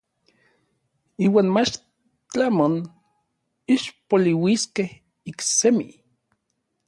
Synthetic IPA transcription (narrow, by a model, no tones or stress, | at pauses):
iːwaːnmat͡ʃ | t͡ɬamon | iʃpoliwiskeh | iksemi